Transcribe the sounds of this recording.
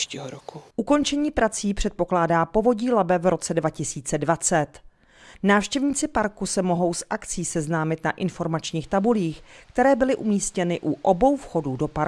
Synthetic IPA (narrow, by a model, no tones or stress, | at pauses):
ʃciːɦoɾokʰuʔuko̞nt͡ʃɛɲiːpɾat͡siːpr̝̥ɛt̪̚po̞klaːdaːpo̞vo̞ɟiːlabɛvɾʔo̞t͡sɛdvacɪsiːt͡sɛdvat͡sɛt̪ | naːfʃcɛvɲiːt͡sɪpaɾkusɛmo̞ɦo̞wsʔakt͡siːsɛznaːmɪt̪naʔɪnfo̞ɾmat͡ʃɲiːxt̪abuliːxkt̪ɛɾɛːbɪlɪʔumiːscɛnɪʔuʔobo̞wfxo̞dudo̞paɾ